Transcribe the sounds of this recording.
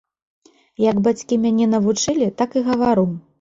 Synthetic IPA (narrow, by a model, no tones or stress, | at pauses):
jɐɡbat͡sʲkʲimʲanʲɛnɐvut͡ʂɨlʲit̪akɨɣɐvaɾuw